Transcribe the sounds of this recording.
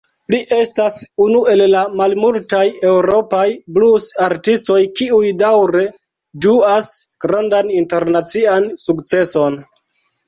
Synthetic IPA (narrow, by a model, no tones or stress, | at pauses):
liʔe̞stasunue̞lːamalmultaje̞wɾo̞pajblusaɾtisto̞jkiujdawɾe̞ | duasɡ̥ɾandaninte̞ɾnat͡siansukt͡se̞so̞n